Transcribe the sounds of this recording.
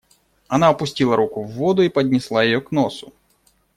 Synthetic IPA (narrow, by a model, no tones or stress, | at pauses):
ɐnaɐpʊsʲtʲilˠɐɾʔukʊvːɔd̪ʊipɐd̪ʲnʲɪslˠajɪjɔknosʊ